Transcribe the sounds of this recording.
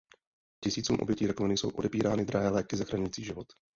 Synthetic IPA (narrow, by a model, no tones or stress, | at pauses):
cɪsiːt͡suːmʔobjɛciːɾakovɛnɪjsowʔo̞̰dɛpiːɾaːnɪd̪ɾaɦɛːlɛːkɪzaxɾaɲʊjit͡siːʒɪvot̪